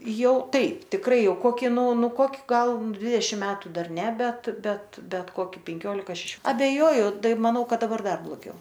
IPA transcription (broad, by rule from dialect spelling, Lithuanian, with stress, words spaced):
ˈjɛʊ ˈtɐɪp tʲɪkˈrɐɪ ˈjɛʊ ˈkoːkʲɪ ˈnʊ ˈnʊ ˈkoːkʲɪ ˈɡɐlˠ ˈdʲʋʲɪdʲɛʃʲɪm ˈmʲæːtʊ ˈdɐr ˈnʲɛ ˈbʲɛt ˈbʲɛt ˈbʲɛt ˈkoːkʲɪ pʲɛŋʲˈkʲoːlʲɪkɐ ʃʲɛˈʃʲoː ɐbʲɛˈjoːjʊ ˈtɐɪ mɐˈnɐʊ ˈkɐt dɐˈbɐr ˈdɐr blˠoːˈɡʲɛʊ